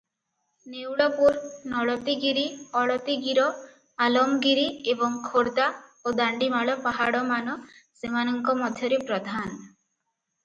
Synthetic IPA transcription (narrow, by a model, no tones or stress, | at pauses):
newɽɔpuɾnɔɽɔt̪iɡiɾiɔɽɔt̪iɡiɾɔ | alɔmɡiɾiebɔŋkʰoɾd̪aod̪aɳɖimaɭɔpaɦaɽɔmanɔsemanɔŋkɔmɔd̪ʱjɔɾepɾɔd̪ʱan